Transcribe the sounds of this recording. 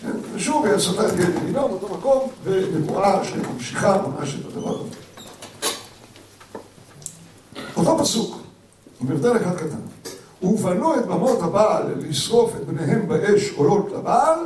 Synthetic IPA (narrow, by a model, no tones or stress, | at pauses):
kḛnzeʃuvajasataljeeɡinobeot̪o̞mako̞mvemevuʔaʃḛmamʃiχabomʔa̰ʃet̪ad̪ava̰ʁa̰zo | ot̪o̞pasuk | amiʁd̪aleχad̪kat̪a̰n | uvanuet̪bamot̪habalːisʁo̞fet̪̚bneɦembaʔeʃolot̪labal